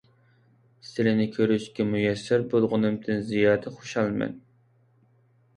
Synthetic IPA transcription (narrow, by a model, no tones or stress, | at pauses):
st̪ɪlɪnɪkʲʰøɾyʃkʲɛmujɛsːɪɾbolˠʁʊnɨmd̪ɨnzijɑːd̪ɛχoʃɑlˠmɛ̰n